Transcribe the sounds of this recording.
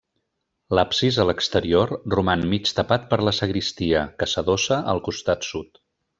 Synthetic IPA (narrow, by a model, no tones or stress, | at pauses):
lapsizələkst̪əɾiorrumanmit͡ʃt̪əpat̪̚pəɾləsəɣɾist̪iəkəsəðosəʔəlˠkust̪at̪sut̪